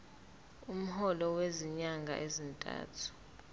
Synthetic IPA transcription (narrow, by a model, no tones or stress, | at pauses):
um̩hɔlɔweziɲaŋɡʱa̰ʔezintʼa̰ːtʰu̥